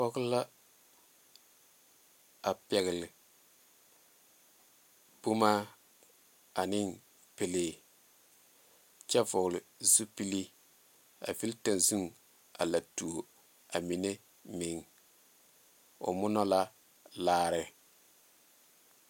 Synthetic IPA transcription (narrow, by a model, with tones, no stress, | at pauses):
fɔ˦ɣla˦ | a˨pɛ˨ɣɪ˨lɪ˨ | b̥u˦ma˦ | a˨nɪ˦ŋ | pe˨le˦ | t͡ʃɛ˦vʊ˨ɣlɪ˨zu˦pi˦li˦ | a̰˨vi˦lta˨nzu˦ŋ | a̰˨la˨tu˨o˨ | a˨mi˨ne˦ | mɪ˨ŋ | ʊ̰˨mʊ˦nɔ˦la˦ | laː˦ɾɪ˨